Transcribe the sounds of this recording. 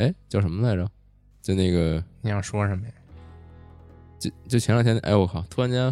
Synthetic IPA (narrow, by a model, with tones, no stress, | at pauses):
e˥ɪt͡ɕjɑ˥˩ʊʂə˧˥mə˧la˥˩ɪɑ˥˩ | t͡ɕjo˥˧ʊne˥˩ɡə˩ni˨˩jɑ˥˩ʊʂwɔ˥ʂə˧˥mə˧jə˨˩ | t͡ɕo˥˩t͡ɕjo˥˩t͡ɕʰɛ˧˥n˥˨˩ŋt͡ɕʰj̪ʔa̰˥ɪwɔ˧˥kʰɑ˨˩˦t̪ʰu˥a˥nt͡ɕja˥